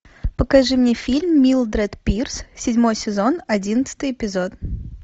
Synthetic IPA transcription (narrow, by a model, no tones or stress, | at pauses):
pəkɐʐɨmnʲefʲilʲmːʲilˠd̪ɾɛt̪pʲirssʲɪdʲmo̞jsʲɪzo̞nɐdʲinət̪sə̥t̪ɨjɪpʲɪzot̪